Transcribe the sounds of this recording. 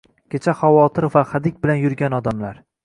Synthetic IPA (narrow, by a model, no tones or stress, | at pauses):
kʲet͡ʃʰaχawɒt̪ʰɪɾvaχad̪ɪkʲbɪlanjʊɾɡʲanɒd̪amlaɾ